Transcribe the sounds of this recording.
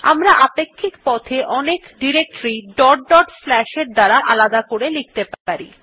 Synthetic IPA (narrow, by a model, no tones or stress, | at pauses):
a̰mɾaʔapekʰːikpɔt̪ʰeʔɔnekɖiɾek̚ʈɾiɖɔɖːɔɖflɛʃeɾd̪aɾaʔalad̪akoɾelik̚t̪epaɾḭ